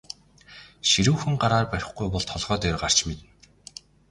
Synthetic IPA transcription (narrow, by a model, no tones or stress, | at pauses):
ʃiɾuːxɘ̆ŋɢaɾaːrpæɾʲɪ̆χɡujpɔɮt̪ʰɔɮʁœːt̪erɢar̥t͡ɕmet̪ɘ̆n